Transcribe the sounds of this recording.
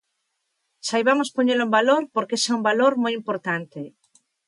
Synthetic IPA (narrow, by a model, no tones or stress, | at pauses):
ʃajβamospoɲelumbaloɾpoɾkesaumbaloɾmojimpoɾt̪ant̪e